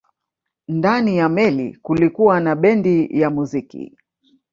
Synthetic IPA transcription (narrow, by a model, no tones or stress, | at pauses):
ndanijamɛlḭkulikuwanaɓɛndijamuzikḭ